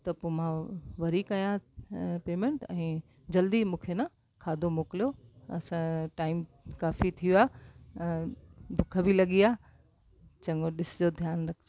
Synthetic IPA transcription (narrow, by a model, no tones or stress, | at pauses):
t̪ɐpoːmãʋɐɾikɐjãpeːmẽɳʈɛ̃ː | d͡ʑɐld̪imũːkʰenã | kʰaːd̪ʱomoːkɪlijoɐ̰sãʈaːɪm | kaːfit̪ʰijuaː | b̪ʱʊkʰə̆bʱilɐɠiaː | t͡ɕɐ̃ŋɡoɗɪsd͡ʑoːd̪ʱjaːnɾɐkʰ